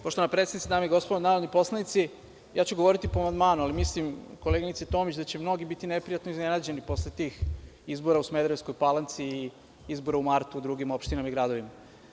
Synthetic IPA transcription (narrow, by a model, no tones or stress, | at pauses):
poʃt̪oanapɾet̪sed̪nit̪ed̪aːmeiɡo̞spod̪onaːɾod̪nipo̞slˠanit̪si | jaːt͡ɕuɡo̞ʋo̞ɾit̪ipoamand̪maːnualimislimkoleɡinit̪set̪o̞ːmit͡ɕd̪at͡ɕemno̞ɡibit̪inepɾijat̪noiznenad͡ʑe̞nipo̞slet̪iːxizbo̞ɾausmed̪ɾesko̞jpalˠant̪siː | izbo̞ɾaumaɾt̪ud̪ɾuːɡimo̞pʃt̪inamaiɡɾad̪oʋima